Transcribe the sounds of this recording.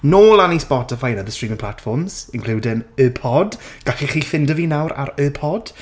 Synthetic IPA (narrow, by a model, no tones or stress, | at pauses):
noːlˠanispɔtɪfajnəðəstɹ̥iːmɪ̃ŋpʰl̥atfɔrmz̥ɪ̃nkluːdɪŋəːpʰɔdɡ̥aɬiχiːfɪndəvinawɾa̰ɾəːpʰɔd̥